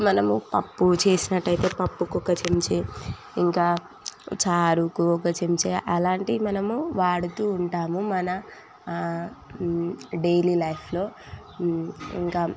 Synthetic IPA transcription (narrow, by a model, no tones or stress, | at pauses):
mɐnɐmupɐpːut͡ʃe̞ːsinɐʈːɐjt̪e̞ːpɐpːukɔkɐt͡ʃemt͡ʃe | iŋkaː | t͡ʃaːɾukuɔkɐt͡ʃemit͡ʃeːʔɐlaːɳʈimɐnɐmuʋaːɽut̪uːɳʈaːmumɐnɐ | ɖejlilɐjpʰlo̞ː | ḭŋkaː